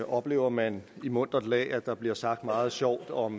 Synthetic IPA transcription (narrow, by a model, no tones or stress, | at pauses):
ɒ̽b̥le̝̰ːʊɐmænimɔ̽n̰d̥ɐd̥lɛ̰ːæd̥ɑ̈b̥liɐ̰sɑ̈ɡ̥d̥mɑ̈ːð̞̩ˠɕɒʊ̰d̥ɒ̽m